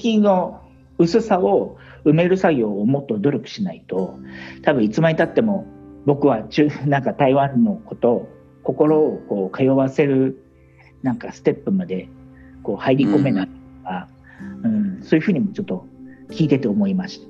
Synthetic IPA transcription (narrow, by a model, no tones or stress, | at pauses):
kʲĩnno̞ | ɯ̟sɨsao̞ɯ̟me̞ɾɯ̟saɡʲo̞ːmo̞t̪ːo̞d̪o̞ɾʲokɯ̟̥ɕinait̪o̞t̪abɯ̟̃it͡sɨmait̪at̪ːe̞mo̞bo̞kɯ̟βat͡ɕɨnãŋkat̪aiβãnːo̞ko̞t̪o̞ | ko̞ko̞ɾo̞ːko̞ːkʰajo̞βase̞ɾɯ̟ | nãŋkasɨ̥t̪e̞pːɯ̟mad̪e̞ko̞ːhaiɾʲiko̞me̞naiooka | ɯ̟̃ɴsoːjɯ̟ɸɯ̟ːɲ̟imo̞t͡ɕo̞t̪ːo̞kʲiːt̪e̞t̪e̞omo̞imaɕi̥t̪ḁ